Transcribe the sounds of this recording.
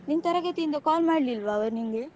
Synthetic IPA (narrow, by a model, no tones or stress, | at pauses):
niːŋɐt̪ɐɾɐɣɐt̪ːiɪnd̪ɐkaːlmaːɽlɪlʋaːʋɐɾniːŋɡɐ